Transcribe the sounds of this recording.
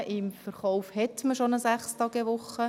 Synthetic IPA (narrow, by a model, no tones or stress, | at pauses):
ʔɪmfəɾχɔwfhɛt̪məʃonəsæχstɑɡɛʋʊχə